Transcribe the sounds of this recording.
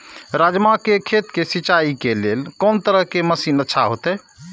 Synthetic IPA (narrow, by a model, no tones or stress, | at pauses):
ɾad͡ʒmakekʰet̪kesit͡ʃaikelelkɔːnt̪əɾəɦkeməsinətːʃʰaɦot̪ɛ